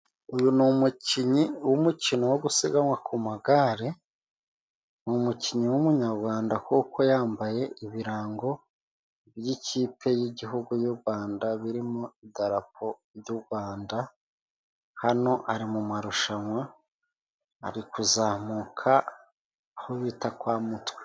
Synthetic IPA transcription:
ujunumuciɲiwumucinowoɡusiɡamwakumaɡaɾe | numuciɲiwumuɲaɾɡwaːndakuːko̞jaːmbaje̞ʔiβiɾaːŋɡo̞ | vjicʰiːpʰe̞jiɟiɦuɡujuːbɡwaːndaβiɾimoidaɾap̚ʰo̞βjuɡwaːnda | hano̞ʔaɾimumaɾuʃamwa | ɾikuzaːmukʰaː | hoβitakwaːmutwe̥

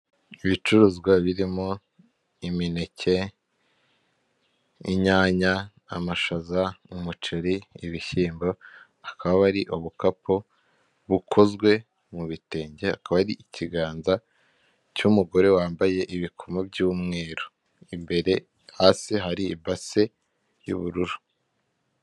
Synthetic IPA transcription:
iβit͡ʃuɾuːzɡwaβiɾimo̞ | imine̞ce̞ | ḭɲaːɲaː | maʃazaumut͡ʃiɾiːβiçiːmbo | akaβaβaɾiʔoβukapʰo | βukʰo̞zɡwe̞ | muβite̞ːɲɟeakaβaɾiʔicʰiɡaːnza | cumuɡo̞ɾe̞waːmbaje̞ʔiβikʰo̞mobɟuːmŋe̞ːɾo | imbe̞ɾe̞ | haːsiɦaɾiibase̞ | jṵβuɾuɾu̥

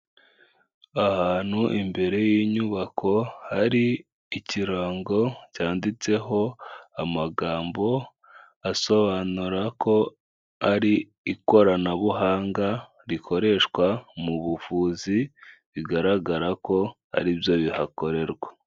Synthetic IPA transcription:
ahaːn̥huʔimbe̞ɾe̞jiːɲuβakʰo̞haɾiː | ciɾaːŋɡo̞caːndit͡se̞ɦo̞amaɡaːmbo̞ | aso̞βaːnuɾako̞ | aɾiː | ko̞ɾanaβuɦaːŋɡa | ɾikʰo̞ɾe̞ʃkwamuβufuːziβiɡaɾaɡaɾako̞ | a̰ɾibjo̞βihako̞ɾe̞ɾɡwa

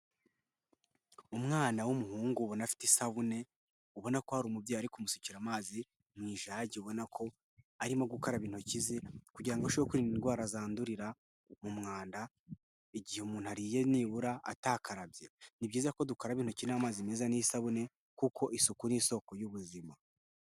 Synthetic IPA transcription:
umŋaːnawumuɦuːŋɡuβo̞nafi̥tesaβune̞ | uβo̞nako̞haɾuːmubjaːaɾikumusuciɾamaːzi | mŋiːʒaːɟeuβo̞nakʰo̞ | aɾimoɡukaɾaβiːn̥hucizekuɟiɾaŋɡoʃβjokuɾininɡwaːɾazaːnduɾiɾa | mumŋaːnda | eɟiheumuːn̥uhaɾiːje̞niːβuɾaʔa̰taːkaɾabje̞nibɟiːzeɾako̞dukaɾaβiːn̥hucinamaːzime̞ːzanijsaβune̞ | kuko̞ʔisukuniso̞ko̞juβuzima

